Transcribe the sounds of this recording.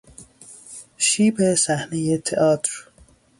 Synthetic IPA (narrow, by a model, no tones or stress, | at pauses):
ʃiːbesæhnejet̪ʰeʔɒːt̪ɾ